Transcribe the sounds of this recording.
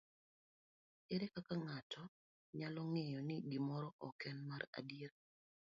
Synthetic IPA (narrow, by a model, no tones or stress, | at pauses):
ɛɾɛkakaŋatʰɔ | ɲalɔŋɛjɔnɪɡimɔɾɔʔɔkɛnmaɾa̰dieɾ